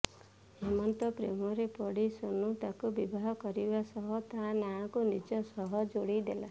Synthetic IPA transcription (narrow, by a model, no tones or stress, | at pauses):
hemɔnt̪ɔpɾemɔɾepɔɽisonut̪akubibʱaɦɔkɔɾibasɔɦɔt̪aɦãnaɦãkunid͡ʒɔsɔɦɔd͡ʒoɽid̪ela